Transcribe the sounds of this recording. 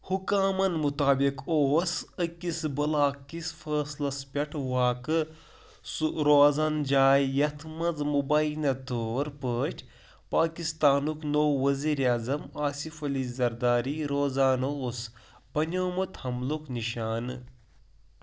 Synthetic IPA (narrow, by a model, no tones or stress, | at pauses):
hukaːmɐnmut̪aːbikoːsɨkisbɐlaːkːisfʰɐːslɐspʲɐʈʰʋaːkɨ | suɾoːzand͡ʒaːjːɐt̪ʰmɐd͡zmubaːjinɐt̪oːɾpəːʈʲʰ | paːkist̪aːnuknowːɐziːɾjaːzɐmaːsifɐlizɐɾd̪aːɾiɾoːzaːnoːs | bɐnʲoːmut̪hɐmlukniʃaːn